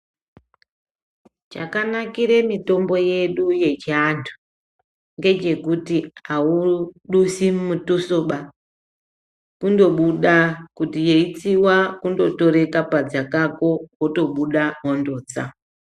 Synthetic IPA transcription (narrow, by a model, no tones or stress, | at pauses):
t͡ʃa̰kanakiɾe̞mito̞mbo̞je̞ɗuje̞t͡ʃiantʰu̥ | ŋɡe̞t͡ʃe̞kutiauɗusimmutusoɓa | kundo̞ɓuɗakutijeit͡siwakundo̞to̞ɾe̞kapad͡zakako̞woto̞ɓuɗaɦondo̞ːd͡za